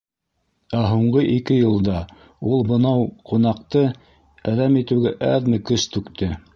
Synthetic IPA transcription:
æɦuɴɢɤʔikɘjɤ̆lˠd̪ɑ | ulˠbɤ̆nɑwqʰunɑqt̪ɤ | æðæmit̪ɘ̆wɡæʔæ̰ðmɘkɵst̪ʉkt̪ʰɘ

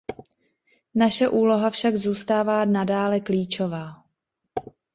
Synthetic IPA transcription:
naʃɛʔuːlo̞ɦafʃaɡzuːst̪aːvaːnadaːlɛkliːt͡ʃovaː

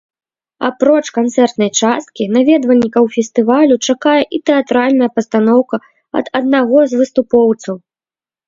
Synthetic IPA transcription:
a̰pɾɔt͡ʂkant̪sɛrt̪nɐjt͡ʂast̪̚kʲinavʲɛd̪vɐlʲːikɐwfʲɛst̪ɨvalʲut͡ʂakajɛʔit̪ɛat̪ɾalʲnɐjɐpɐst̪anɔwkɐ | ɐ̰d̪ɐd̪̚naɣɔzvɨst̪upɔwt̪sɐw

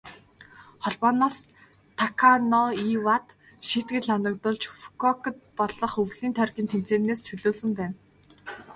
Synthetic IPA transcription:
χɔɮpɔːnɔːs | t̪ʰakʰanɔiwat̪ | ʃit̪ɡɘ̆ɮanə̆k̚t̪ʊɮt͡ɕfu̥kʰɔkə̆t̪̚pɔɮɞ̆χɵɣɮiːnt̪ʰœrɣʲiːnt̪ʰem̥t͡seːneːst͡ɕɵɮoːsɵ̆mpæːn

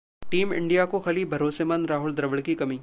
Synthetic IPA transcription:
ʈiːmɪ̰̃ɳɖijakoxɐlibʱɐɾoːsemə̃nɾaːɦʊld̪ɾɐʋəɽkikɐmiː

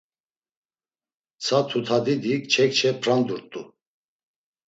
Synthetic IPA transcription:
t͡sʰat̪ʰut̪ʰad̪id̪ikt͡ʃʰɛk̚t͡ʃʰɛpʰɾand̪uɾt̪ʼu

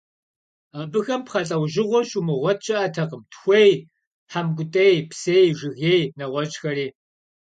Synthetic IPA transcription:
abɨxɐmpχɐɬʼɐwʒɪʁʷɔɕʼumɨʁʷɔt̚t͡ʃʼɐʔɐtʰɐqəmtxʷej | ħamɡʷʊtʼejpsejʒɨɣeːjnɐʁʷɔt͡ʃxɐɾiː

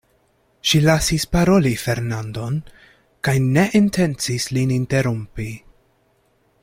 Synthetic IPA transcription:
ʃilasispaɾo̞life̞ɾnando̞n | kajne̞ʔintʰe̞nt͡sislininte̞ɾumpi

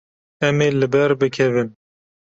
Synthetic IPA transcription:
ɛmeːlɨbɛɾbɨkʰɛvɨn

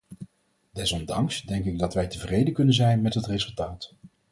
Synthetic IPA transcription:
dɛsɔmdɑŋsdɛŋk̬ɪɡ̚dɑtʋɛjtəvrejdəkɵnənzɛjnmɛtɦətrezɵlˠtaːt

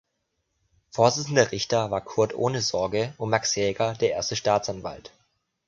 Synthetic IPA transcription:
foːɐzɪt͡sn̩dɐʁɪçtɐvaːɐkʰʊɐtʔo̰ːnəzɔɐɡəʔʊmmaksjɛːɡɐdeːɐʔḛːɐstəʃtaːt͡sanva̰lt

